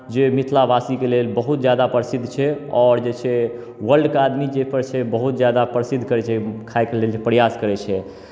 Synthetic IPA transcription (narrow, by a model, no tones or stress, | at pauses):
d͡ʒemit̪ʰlabasikelelbəɦut̪d͡ʒjad̪apɾəsid̪ʱːt͡ʃʰɛɔːɾd͡ʒet͡ʃʰɛ | wəlɖkad̪mid͡ʒepəɾt͡ʃʰɛbəɦut̪̚d͡ʒjad̪apɾəsid̪ʱkəɾɛt͡ʃʰɛkʰaekelelepɾjaskəɾɛt͡ʃʰɛ